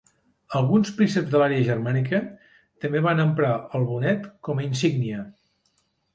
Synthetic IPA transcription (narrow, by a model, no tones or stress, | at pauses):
əlˠɣunspɾisɛbzðəlaɾeəʒərmanikə | t̪əmbeβanəmpɾaəlˠβunɛt̪kɔməinsiɡniə